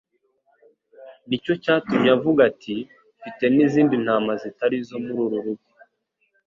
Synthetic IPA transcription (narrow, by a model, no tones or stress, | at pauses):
nico̞caːtumɲavuɡatʰi | fite̞niziːndin̥haːmazitaɾizo̞muɾuɾuɾuɡi